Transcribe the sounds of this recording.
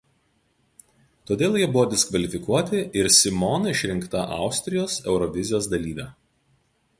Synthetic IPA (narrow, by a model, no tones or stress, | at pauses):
t̪oːd̪ʲeːlˠjiɛbʊʋɔːd̪ʲɛskʋɐlʲɪfʲɪkuɔt̪ʲɪʔɪɾsʲɪmɔːnɐɪʃʲɾʲɪŋkt̪ɐʔɑ̰ˑʊsʲt̪ʲɾʲɪjoːsɛʊɾɔʋʲɪzʲɪjoːsd̪ɐlʲiːʋʲɛː